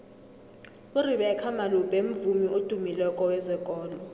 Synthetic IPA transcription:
uriɓɛːkʰamalub̥ʱʼem̩vumiʔod̥ʱumilɛkʼɔwɛzɛkʼɔːlɔ

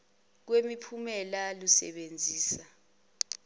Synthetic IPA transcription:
k̬wemipʰumɛlalusɛ̰ɓend͡zʱiːsa

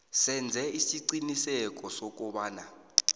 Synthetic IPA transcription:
sɛnd͡zʱɛisiǀinisɛk̬ʼɔsɔk̬ɔɓaːna

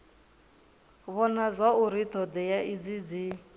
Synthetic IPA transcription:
βɔnazʷauɾit̪ʰɔd̪ɛjaʔid͡zid͡zi

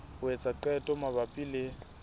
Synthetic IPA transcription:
ʊet͡sʼaǃɛtʼɔmaβapʼilɪ

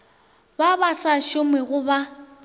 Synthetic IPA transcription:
babasaʃʊmɛɣʊba

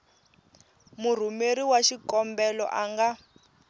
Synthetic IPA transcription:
mur̤umeɾiwaʃikɔmbɛlɔ̰ʔaŋɡa

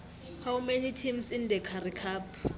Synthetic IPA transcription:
hawmɛnitʰimsɪn̩dɛkʰarikʰaːpʰ

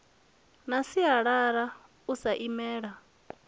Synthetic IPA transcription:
nasiɦaɺaɾa | usaʔimɛːɺa

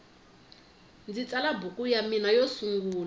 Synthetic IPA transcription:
nd͡zit͡sʼalabukʼujaminajosuŋɡuːla

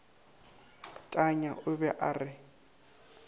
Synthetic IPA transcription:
tʼaɲaʔʊbɛʔarɪ

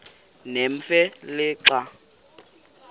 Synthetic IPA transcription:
nem̩fɛlɪǁa

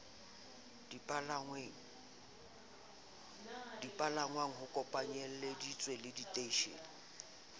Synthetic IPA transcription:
dpʼalaŋweŋ̩ | dipʼalaŋwaŋ̩ɦʊkʼɔpʼaɲɛl̩ledit͡sʼwelɪditʼeiʃḛːnɪ

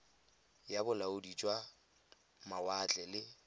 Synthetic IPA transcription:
jabʊlaʊdit͡ʃʼwa | mawat͡ɬʼɛlɪ

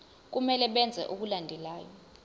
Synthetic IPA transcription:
k̬umɛlɛɓɛnd͡zʱɛ̰ʔuk̬ulandʱɛlaːjɔ

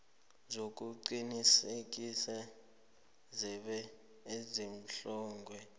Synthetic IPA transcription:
zok̬ʼuǃinisek̬ʼisa | zɛɓɛ | ezim̩ɬɔːŋɡʱwɛ

